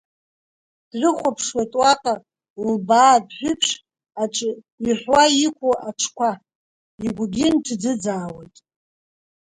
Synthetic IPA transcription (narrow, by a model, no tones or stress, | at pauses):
d̥rʷɨχʷapʰʂwatʼwaqʼa | lbaːdħʷᶣʏpʰʂ | aʈ͡ʂʼ | iħʷwaikʷuʔaʈ͡ʂʰkʷʰa | iɡʷɡʲɪnʈ͡ʂʰd͡zɨd͡zaːwejtʼ